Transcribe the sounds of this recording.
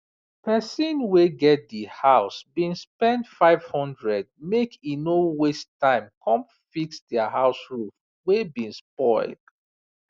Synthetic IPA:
pɛsĩnweɡɛt̚dihaʊsbĩnspɛ̃ntfaɪv̥hɔ̃ndɹɛd̚mekinowestːãɪ̃mkʰɔ̃m | fiksdɛaɦaʊsɹuf | webĩnspɔɪld̥

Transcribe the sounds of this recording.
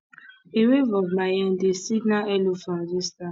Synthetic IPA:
ewevɔɡmajɛ̃ndesiɡnaɛlofãzista

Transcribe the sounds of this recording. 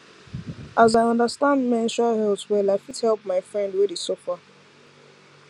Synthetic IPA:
ʔazaɪɔ̃ndəstãndmɛ̃nʃɔhɛltwɛlaɪfidhɛlˠp̚maɪfɹɛ̃ndwɪdesofa

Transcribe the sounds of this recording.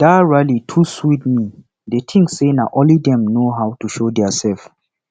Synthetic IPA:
d̥aɹalitʰuswit̚mi | detʰĩŋsːenaʔɔlidɛ̃mnoɦawtuʃodɛasɛlf

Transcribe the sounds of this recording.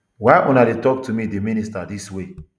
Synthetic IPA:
waɪʔunadetɔk̚tʰumideministadiswe

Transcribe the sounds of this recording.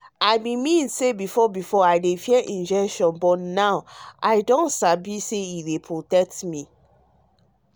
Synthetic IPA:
ajbĩmĩnsebifɔbifɔajdefiɛʔĩnd͡ʒɛkʃɔ̃nbɔtnawajdɔ̃ntsabiseiwepʰɹotɛk̚tmĩ

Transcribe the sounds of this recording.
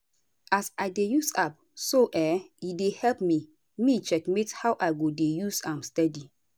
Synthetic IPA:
asajdejusap̚ | soʔɛidehɛlpmi | mit͡ʃɛkmethawʔajɡodejusãmstɛdi

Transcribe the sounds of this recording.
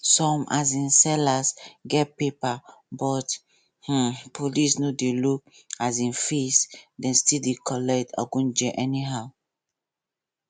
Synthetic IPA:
sɔ̃mazĩnsɛlasɡɛt̚pepabɔt | h̩pʰolisnodeluk̚azĩnfisdɛ̃nstildekʰɔlɛktʰa̰ɡõnd͡ʒɛʔɛniɦaʊ

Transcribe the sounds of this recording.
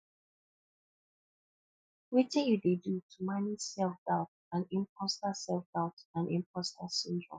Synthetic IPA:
witɛ̃njudedutʰumanisɛlfdaʊt | ãnĩmpʰɔstasɛlfd̥aʊtãnḭ̃mpʰɔstasĩndɹɔ̰̃m

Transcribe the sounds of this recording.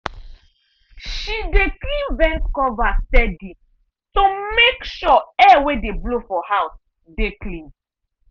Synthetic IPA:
ʃideklĩnvɛ̃nskɔvasɛdi | tomekʃɔɛwedeblofɔhaʊs | deklĩn

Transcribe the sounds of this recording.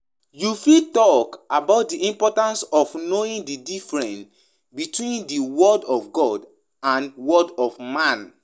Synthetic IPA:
jufitɔkabaʊt̚diʔĩmpɔtãnsɔfnoĩndidifɹɛ̃n | bitwĩndiwɔdɔfɡɔd | ãnwɔdɔfmãn

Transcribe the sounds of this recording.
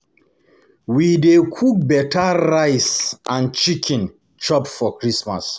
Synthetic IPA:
widekʰuk̚bɛtʰaɾaɪsãnt͡ʃikʰĩn | t͡ʃɔpfɔkɹisma̰s

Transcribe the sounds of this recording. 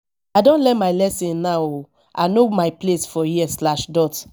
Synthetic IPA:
ajdõnlɛtmaɪlɛsĩnnaw | ʔanomajplesfɔjiɛslaʃdɔt

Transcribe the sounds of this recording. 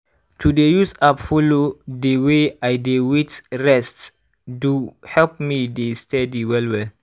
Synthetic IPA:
tudejusapfolodeweajdewitɹɛst | duhɛlp̚midestʰɛdiwɛlwɛl

